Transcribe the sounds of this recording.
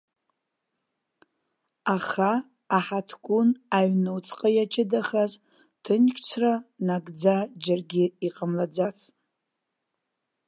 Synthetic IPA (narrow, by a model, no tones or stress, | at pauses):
aχa | aħatʰɡʷʼʊnaɥnowt͡sʰʼqʼajat͡ʃʰʼɪdaχaz | tʰɨnkʲʰʼt͡ʃʷʰranaɡʼd͡zad͡ʒarɡʲɪiqʼamlad͡zat͡sʰʼ